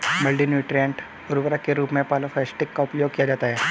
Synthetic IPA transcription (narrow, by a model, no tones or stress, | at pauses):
mɐlɖinjuːʈɾijə̃ɳʈ | ʊɾʊʋəɾakeɾuːpmẽpaːlofʰɛːsʈɪkːaʊpjoːɡ̚kijad͡ʒaːt̪aɦɛː